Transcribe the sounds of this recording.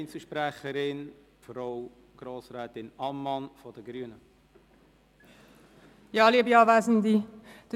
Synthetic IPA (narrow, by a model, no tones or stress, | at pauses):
ɪnsəʃpɾæχəɾɪn | fɾoʊ | ɡ̥ɾoːsɾɛːtɪnɑmːɑnfɔd̥əɡɾyənə | jɑːliəbiɑːvæzən̩d̪id̥